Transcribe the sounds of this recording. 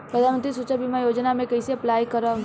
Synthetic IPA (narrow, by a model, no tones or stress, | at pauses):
pɾəd̪ʱanmənt̪ɾisut͡ʃəbʱimajoːd͡ʒnamẽkɐɪseɐplaːjkəɾə